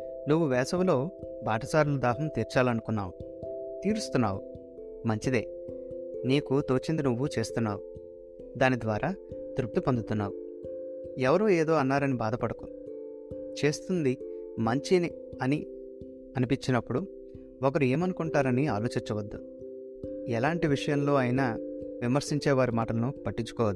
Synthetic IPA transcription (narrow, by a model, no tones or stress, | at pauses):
nuʋːuʋɛːsɐmlo̞ːbaːʈɐt͡ʃaːɾulud̪aːɦɐmt̪iːɾt͡ʃaːlɐnukunːa̰ːwu | t̪iːɾust̪unːaːwu | mɐɲt͡ʃid̪e̞̰ː | niːkut̪o̞ːt͡ʃind̪inuʋːut͡ʃe̞ːst̪unːa̰ːwu | d̪aːnid̪ʋaːɾʔaːd̪ɾup̚ʈ̪ːipond̪ut̪unːa̰ːwu | ɛʋɐɾoːe̞ːd̪o̞ːɐnːaːɾɐnibaːd̪ɐpɐɽɐkun | t͡ʃe̞ːst̪und̪imɐɲt͡ʃini | ɐni | ɐnipiɲt͡ʃinɐpːuɽu | ɔkɐɾue̞ːmɐnukuɳʈaːɾɐniaːlo̞ːt͡ʃiɲt͡ʃːɐʋɐd̪ːu | ɛlaːɳʈiʋiʂɐjɐmlo̞ːɐjnɐʋimɐɾsiɲt͡ʃeːʋaːɾimaːʈɐlɐnupɐʈːiɲt͡ʃːu̥kɔːʋɐd̪u